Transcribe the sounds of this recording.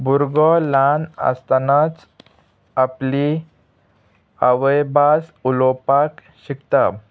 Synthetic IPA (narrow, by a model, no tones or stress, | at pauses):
buɾɡɔlana̰st̪anat͡s | apli | aʋəjbasulɔpak | ɕikt̪a